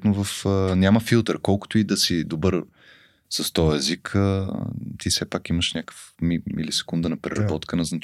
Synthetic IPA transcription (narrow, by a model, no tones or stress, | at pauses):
t̪novəfənʲaməfilˠt̪əɾkɔlˠkʊ̥t̪oid̪ɐsid̪obɤɾ | səst̪ɔjɛzikʰət̪isɛpakiməʃnʲakə̥fmiḭlisɛ̥kund̪ənɐpɾɛɾɐbbɔt̪kənɐznɐ